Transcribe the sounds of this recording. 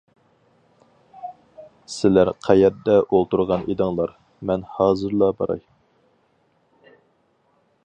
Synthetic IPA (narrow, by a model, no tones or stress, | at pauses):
sɪlæɾqʰæjɛɾd̪ɛʔolˠt̪uɾʁɑnʔid̪ɨŋlˠɑɾ | mɛnhɑːzɨɾlˠɑbɑ̰ɾɑ̰j